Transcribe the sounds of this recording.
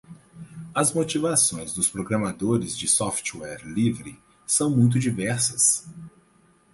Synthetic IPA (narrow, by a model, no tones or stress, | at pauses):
ɐzmot͡ʃivasõj̃zd̪ʊspɾoɡɾɐmad̪oɾɪzd͡ʒɪsɔft͡ʃwɛɾlivɾɪ | sɐ̃w̃mũj̃t̪̬ʊd͡ʒivɛɾsɐs